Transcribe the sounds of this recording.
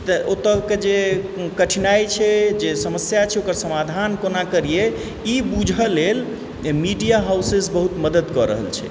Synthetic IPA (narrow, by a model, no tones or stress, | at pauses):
t̪əot̪əked͡ʒekəʈʰinajt͡ʃʰɛd͡ʒesəməsjat͡ʃʰɛokəɾsəmad̪ʱankonakəɾije | ibud͡ʒʱəlel | miɖijaɦawsesbəɦut̪məd̪əd̪kɔɾə̰ɦə̰lt͡ʃʰɛ̰